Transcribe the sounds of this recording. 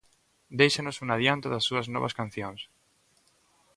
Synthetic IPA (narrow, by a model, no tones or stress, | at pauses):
d̪ejʃanosunaðjant̪oðasːuɐznɔβa̰skan̟θjõŋs